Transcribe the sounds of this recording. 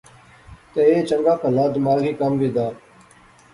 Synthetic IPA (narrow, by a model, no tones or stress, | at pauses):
t̪eːeːt͡ʃəŋɡaːkəlaːd̪maːɣiːkamʋid̪aː